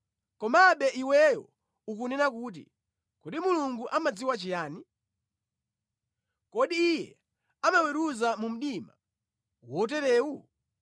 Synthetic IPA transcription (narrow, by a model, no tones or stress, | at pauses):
kɔmaɓɛʔiwɛjɔ̰ | uk̬unɛnakuːt̬ḭ | kɔdimuluŋɡuʔamad͡ziwat͡ʃijaːni | kɔɗiːjɛ | amawɛɾuzamum̩ɗima̰ | wɔtɛɾɛːwu